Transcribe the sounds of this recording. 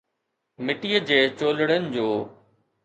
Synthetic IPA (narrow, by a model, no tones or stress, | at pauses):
mɪʈiəd͡ʑeːt͡ɕoːləɽənɪ̆d͡ʑoː